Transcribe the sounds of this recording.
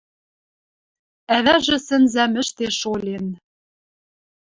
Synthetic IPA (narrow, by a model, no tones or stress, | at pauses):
æβæʒɘ̆sɘ̆nzæmɘ̆ʃt̪eʃolʲen